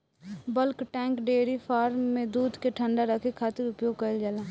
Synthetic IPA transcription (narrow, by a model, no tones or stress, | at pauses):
bəlkʈɛ̃ːŋkɖeːɾipʰaːɾmːẽd̪uːd̪keʈʰə̃ɳɖaɾəkʰekʰaːt̪ɪɾʊpjoːɡ̚kəld͡ʒalaː